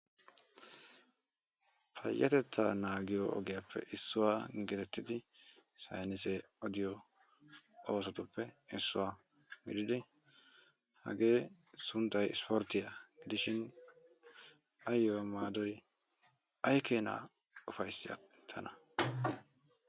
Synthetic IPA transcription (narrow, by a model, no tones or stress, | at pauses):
pʰɐ̰jːɐt̪ɛt͡sːa̰naːɡɪjɔʔɔ̰ɡɪjapʰːɛ̰ʔɪsːʊwaːɡɛt̪ɛt̪ːɪd̪ɪsɐ̰jnɪse | ɔd̪ɪjɔ | oːsɔt̪ʊpːɛɪsːʊwaː | ɡɪd̪ɪd̪ɪ | hɐ̰ɡe̞ː | sʊnt̪ːɐjɪ̰spɔɾt̪ːɪjɐɡ̥ɪd̪ɪʃɪn | ɐjːɔwamaːd̪ɔj | ɐjkʰeːna̰ː | ʊfɐjsːɪjɐ̰ | t̪ʰːɐnɐ